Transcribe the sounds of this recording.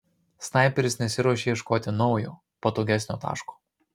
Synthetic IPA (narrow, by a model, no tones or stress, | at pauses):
snɑˑɪpʲɛɾʲɪsnʲɛsʲɪɾɔʃʲeːiɛʃkoːt̪ʲɪnɒʊjṵː | pɐt̪oːɡʲæsʲnʲoːt̪ɑ̰ːʃku̥ː